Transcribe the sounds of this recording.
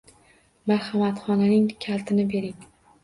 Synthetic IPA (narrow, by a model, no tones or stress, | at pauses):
maɾhamat̪χɒnanɪŋkʲʰalt̪ʰɪnɪbe̞ɾɪŋ